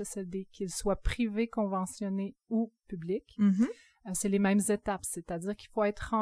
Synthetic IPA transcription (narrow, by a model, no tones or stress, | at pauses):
ɛsɛld̪ekʰʲilswapχivekɔ̃vɑ̃sjɔneupyblik | selemɛ̃mzet̪apset̪ad̪iːʁkilfoɛt̪χɑ̃